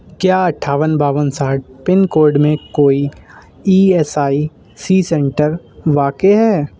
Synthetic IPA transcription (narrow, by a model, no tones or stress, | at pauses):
kjaːɐʈʰːaːʋənbaːʋənsaːʈ̚pɪnkoːɾɖmẽkoːi | iːɛːsaːi | siːsɛ̃ɳʈəɾ | ʋaːkeɦɛː